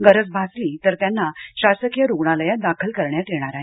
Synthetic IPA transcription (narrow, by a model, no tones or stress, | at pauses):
ɡəɾət͡sbʱasliːt̪əɾt̪janːaɕasəkjaɾuɡɳaləjad̪akʰəlkəɾɳjat̪eɽ̃aɾaɦi